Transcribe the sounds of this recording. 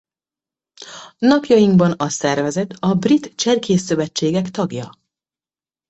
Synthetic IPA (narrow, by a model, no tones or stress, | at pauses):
nɒkjɒjiŋɡbɒnɒsɛrvɛzɛt̪ʰɒbrit̪t͡ʃɛrkʰeːsːø̞vɛt͡ʃːeːɡɛkt̪ɒɡjɒ̰